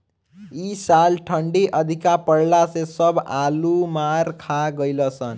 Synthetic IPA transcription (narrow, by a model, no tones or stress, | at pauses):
isalʈʰəɳɖiʔʌd̪ʱikapəɽlasẽsʌbʱalumaɾkʰaɡʌjlʌsʌn